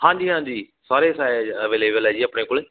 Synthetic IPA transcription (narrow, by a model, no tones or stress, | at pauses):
hãːɲd͡ʒiːɦãːɲd͡ʑiː | saːɾesaːəʋeːleːbəlɛːd͡ʒiːɐpɳekʊlɪ